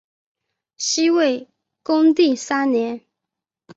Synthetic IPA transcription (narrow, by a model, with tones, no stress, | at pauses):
ɕi˥we˥˩ɪ | kʊ˥ŋt̪i˥˨˩sa˥njɛ˧˥n